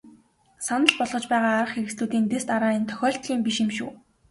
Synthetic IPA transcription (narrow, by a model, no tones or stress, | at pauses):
sanə̆ɮpɔɮʁɞ̆t͡ɕpæːʁaːɾə̆χxeɾɘ̆ksɮuːt̪iːnt̪est̪aɾaːint̪ʰœ̥xʲɔːɬt̪ɮʲiːmpiʃimʃṵː